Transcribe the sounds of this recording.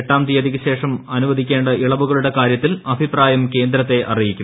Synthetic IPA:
ʈːaːmt̪ijɐðikːɨɕe̞ːʂɐmɐnuʋɐd̪ʱikʲːe̞ːɳɖɐʔiɭɐʋuɣɐɭuɽe̞kaːɾjɐt̪ːilɐbʱipraːjɐmke̞ːnd̪ɾɐt̪ːe̞ʔɐrijikʲːum

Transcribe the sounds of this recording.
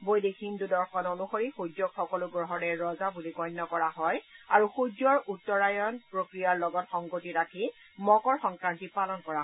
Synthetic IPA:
bojdekʰindudɔɹxʰɔnonuxoɹixud͡ʒɔkxɔkɔlʊɡɹɔɦɔɹɛɹɔzabulikɔjnːɔkɔɹaɦɔjaɹuxud͡ʒɔɹutːɔɹajɔnpɹokɹijaɹlɔɡɔtxɔŋɡotiɹakʰi | mɔkɔɹxɔŋkɹantipalɔnkɔɹa

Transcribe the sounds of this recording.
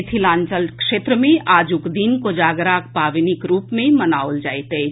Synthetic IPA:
t̪ʰilãːnt͡ʃəlkʃeːt̪ɾəmẽʔaːd͡ʒʊkd̪iːnkod͡ʒaːɡɾaːkpaːʋinɪkɾuːpmẽmənaːold͡ʒaːet̪e

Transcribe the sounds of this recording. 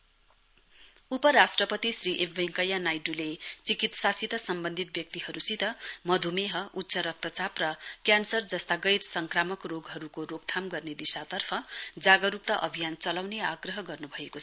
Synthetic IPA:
upʌɾasʈrʌpʌt̪isriʔepʰbʌŋkʌjanajʈulet͡sikit̪sasit̪ʌsʌmbʌnd̪ʱit̪̚bjʌk̚t̪iɦʌɾusit̪ʌmʌd̪ʱumeɦʌʔut̪ːsʌɾʌk̚t̪ʌt͡saprʌkjansʌrd͡zʌst̪aɡʌjrsʌŋkramʌkroɡɦʌɾukorok̚t̪ʰamɡʌrned̪isat̪ʌrpʰʌd͡zaɡʌɾuk̚t̪ʌʔʌbʱijant͡sʌlawneaɡrʌɦʌɡʌrnubʱʌekot͡sʰʌ

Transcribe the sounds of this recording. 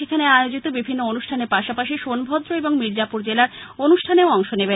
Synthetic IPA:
ekʰaneajod͡ʑit̪obibʱinːoonuʃʈʰaneɾpaʃapaʃiʃonbʱɔd̪ɾoeboŋmiɾd͡ʑapuɾd͡ʑelaɾonuʃʈʰaneoɔŋʃonebe

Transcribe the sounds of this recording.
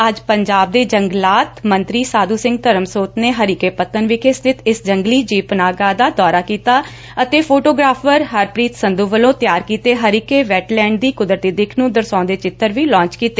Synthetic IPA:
əd͡ʒpəɲd͡ʒaːb̚d̪eːd͡ʒəŋɡlaːt̪mənt̪ɾiːsaːd̪uːsɪ̃ŋɡ̚t̪əɾəmsoːt̪neːɦəɾiːkeːpət̪ənʋiːkʰɪst̪ʰɪt̪ɪsd͡ʒəŋɡliːd͡ʒiːpənaːɡaːd̪aːd̪ɔːɾaːkiːt̪aː | ət̪eːpʰoːʈoːɡɾaːpʰəɾɦəɾpɾiːt̪sənd̪uːʋəlõːt̪ɪjaːɾkiːt̪eːɦəɾiːkeːʋɛːʈlɛ̃ːɳɖd̪iːkʊd̪ɾət̪iːd̪ekʰnũːd̪əɾsãːnd̪eːt͡ʃɪt̪ːəɾʋiːlɔ̃ːt͡ʃkiːt̪eː

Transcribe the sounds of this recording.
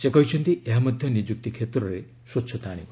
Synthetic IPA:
sekɔɦit͡ʃʰɔnt̪ieɦamɔd̪ʱjɔnid͡ʒuk̚t̪ikʰet̪ɾɔɾe | sot͡ʃʰɔt̪aːɽ̃ḭb

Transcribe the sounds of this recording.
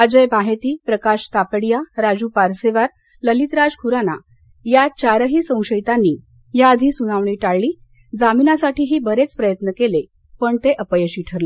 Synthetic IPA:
əd͡ʑəjbaɦet̪iːpɾəkaɕt̪apɽijaɾad͡ʑuːpaɾseʋaɾ | ləlit̪ɾad͡zkʰuɾana̰ | jat͡ɕaɾəɦiːsə̃w̃ɕəjt̪anːiː | jaəd̪ʱiːsunaʋɳiːʈaɭːiː | d͡zaminasaʈʰiːɦiːbəɾet͡spɾəjət̪nəkele | pəɳt̪eʔəpəjəɕiːʈʰəɾle

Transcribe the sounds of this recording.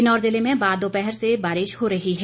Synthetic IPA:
ɪnɔːɾzɪlemẽbaːd̪opɛɦɛɾsebaːɾɪʃhoɾɐɦiɦɛ

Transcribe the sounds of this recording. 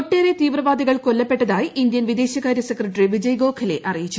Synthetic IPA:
oʈːeːɾet̪iːʋrɐʋaːd̪iɣɐɭkolːɐpːe̞ʈːɐðaːjiʔind̪jɐnʋid̪e̞ːɕjɐkaːɾjɐsekrɐʈriʋid͡ʑɐjɡo̞ːkʰɐle̞ʔɐrijit͡ɕːu

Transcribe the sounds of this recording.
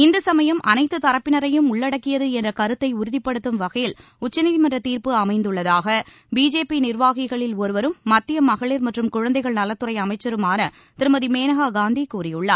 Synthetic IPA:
ɪnd̪ɐsɐmɐjɐmʔɐ̰nɐɪt̪ːɯt̪ɐɾɐpːɪnɐɾɐjɯmʊɭːɐɽɐkːɪjɐðɯɛndrɐkɐɾɯt̪ːɐɪʊɾʊðɪpːɐɽɯt̪ːɯmʋɐɣɐjɪl | ʊt͡ʃːɐniːðimɐndrɐt̪iːɾpɯɐmɐɪnd̪ɯɭːɐðaːɣɐ | biːd͡ʒeːpinɪrʋaːɣɪɣɐɭɪlɔɾɯʋɐɾɯmːɐt̪ːɪjɐmɐɣɐɭɪɾmɐʈrɯmkʊɻɐnd̪ɐɪɣɐɭnɐlːɐt̪ːɯrɐɪɐmɐɪt͡ʃːɐɾɯmaːnɐ | t̪ɪɾɯmɐðimeːnɐɣaːɡaːnd̪ikuːrɪjɯɭːaːɾ

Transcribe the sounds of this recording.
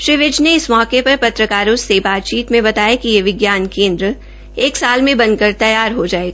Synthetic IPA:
ʃɾɪʋɪd͡ʒneɪsmɔːkepɐɾpɐt̪ɾəkaːɾõsebaːt̪̚t͡ʃiːt̪mẽbɐt̪aːjakijeʋɪɡjaːnkẽːnd̪ɾə | eːksaːlmẽbɐ̃nd̪̚kɐɾt̪ɐjaːɾɦod͡ʒaːeːɡaː

